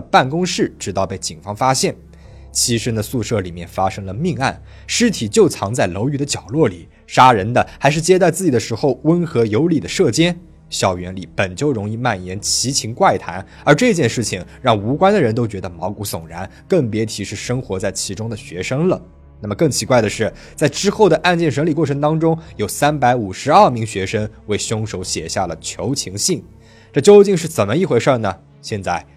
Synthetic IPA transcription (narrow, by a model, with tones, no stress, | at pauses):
pa˥˩nkʊ˥ŋʂɻ̩˥˩ʈ͡ʂɻ̩˧˥t̪ɑ˥˧ʊpe˥˩ɪt͡ɕi˨˩nfɑ˥ŋfa˥ɕjɛ˥˩n | t͡ɕʰi˧˥ʂ̩˥ŋd̪ə˧su˥˧ʂɤ˥˩li˨˩mjɛ̰˥˩nfa˥ʂɤ˥ŋlə˨mi˥˧ŋa̰˥˩n | ʂɻ̩˥t̪ʰi˨˩t͡ɕjo˥˩ʊt͡sʰɑ˧˥ŋt͡sa˥˩ɪlo˧˥ʊy˨˩d̪ə˦t͡ɕjɑ˨˩ʊlwɔ˥˩li˨˩˦ | ʂa˥ɻə˧˥nd̪ə˧xa˧˥ɪʂ̬ɻ̩˥˧t͡ɕjɛ˥t̪a˥˧t͡sɹ̩˥˩t͡ɕi˨˩d̪ə˦ʂɻ̩˧˥xo˥˧ʊwə˥nxɤ˧˥jo˧˥ʊli˨˩d̪ə˦ʂɤ˥˩t͡ɕjɛ˥n | ɕjɑ˨˩ʊɥɛ˧˥nli˧˩pə˨˩nt͡ɕjo˥˩ʊɻʊ˧˥ŋi˥˧ma˥˩njɛ˧˥nt͡ɕʰi˧˥t͡ɕʰi˧˥ŋkwa˥˩ɪt̪ʰa̰˧˥n | ə˞˧˥ʈ͡ʂɤ˥˧t͡ɕjɛ˥˧nʂɻ̩˥˩t͡ɕʰi˨˩ŋɻɑ˥˩ŋu˧˥kwa˥nd̪ə˨˩ɻə˧˥nt̪o˥ʊt͡ɕɥɛ˧˥d̪ə˧mɑ˧˥ʊku˧˥sʊ˨˩ŋɻa̰˧˥n | kɤ˥˩ŋpjɛ˧˥t̪ʰi˨˩ʂɻ̩˥˩ʂɤ˥ŋxwɔ˧˥t͡sa˥˩ɪt͡ɕʰi˧˥ʈ͡ʂʊ˥ŋd̪ə˨ɕɥɛ˧˥ʂɤ˥ŋlə˨ | na˥˩mə˩kɤ˥˩ŋt͡ɕʰi˧˥kwa˥˩ɪd̪ə˩ʂɻ̩˥˩ | t͡sa˥˩ɪʈ͡ʂɻ̩˥xo˥˩ʊd̪ə˩ʔa˥˧nt͡ɕjɛ˥˩nʂɤ˧˥ŋli˨˩kwɔ˥˩ʈ͡ʂʰɤ˧˥ŋt̪ɑ˥ŋʈ͡ʂʊ˥ŋjo˨˩ʊsa˥npa˧˥ɪu˨˩ʂɻ̩˧˥ɐ˞˥˩mi˧˥ŋɕɥɛ˧˥ʂɤ˥ŋwe˥˩ɪɕjʊ˥ŋʂo˧˥ʊɕjɛ̰˨˩ɕja˥˩lə˩t͡ɕʰjo˧˥ʊt͡ɕʰi˧˥ŋɕi˥˩ŋ | ʈ͡ʂɤ˥˩t͡ɕjo˥ʊt͡ɕi˥˧ŋʂ̬ɻ̩˥˩t͡sə˨˩nmə˦i˥˩xwe˧ɪʂə˥˧˩nə˩ | ɕjɛ˥˧nt͡sa˥˩ɪ